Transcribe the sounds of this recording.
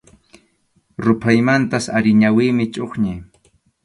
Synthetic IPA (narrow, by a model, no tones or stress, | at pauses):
ɾʊpʰajmant̪asaɾɪɲawɪːmɪt͡ʃʼoχɲaj